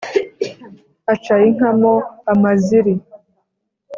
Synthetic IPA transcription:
at͡ʃajiŋ̥amoamaziɾi

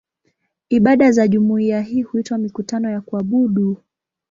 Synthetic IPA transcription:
iɓaɗazaʄumuiaɦiːhuitwamikutanɔjakuaɓuɗu

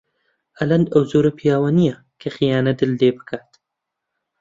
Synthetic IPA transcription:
ʔɐlɐnd̪ʔɐwzoːɾɐpʰijaːwanijɐ | kʰɐxijaːnɐd̪ɨlːeːbɨ̥kʰaːt̪

